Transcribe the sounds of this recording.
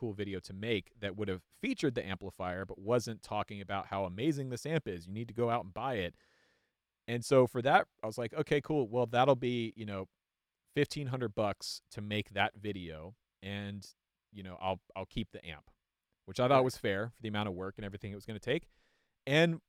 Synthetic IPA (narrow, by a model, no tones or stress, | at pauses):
kʰulˠvɪɾioʊɾɨmeɪkðɨt̚wʊɾɨv̥fit͡ʃə˞d̪̚ðiʔæ̃mpləfaɪə˞bʌt̚wʌzɨ̃ntʰɔkɪ̃ŋɨbaʊt̚haʊəmeɪzɪ̃ŋðɪsæ̃mpɪzjɨnid̚tʰɨɡoʊaʊɾn̩baɪɪt̚ | ɨ̃nsoʊfə˞ðət̚aɪwʌzlaɪkoʊkʰeɪkʰulˠwɛlˠðəɾl̩ˠbijɨnoʊ | fɪftʰĩnɦʌ̃ndɹə˞d̚bʌkstʰɨmeɪk̚ðɨtvɪɾioʊ | ɨ̃n | jɨnoʊʔa̰ɪlˠaɪlˠkʰip̚ðiʔæ̰̃mp | wɨt͡ʃaɪθɔt̚wʌz̥fɛɹfə˞ðiɨmãʊ̃ñʌvwɜ˞kɨ̃ñɛvɹiθɪ̃ŋɨt̚wʌzɡʌnɨtʰeɪk | ɨ̃n